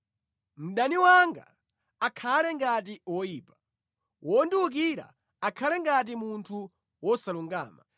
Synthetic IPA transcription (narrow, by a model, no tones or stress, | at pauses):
m̩ɗaniwaŋɡa̰ː | kʰalɛŋɡat̬iwɔjiːpḁ | wʔɔndiwuk̬iɾa̰ | akʰalɛŋɡat̬imuntʰu | wɔsaluŋɡa̰ːma̰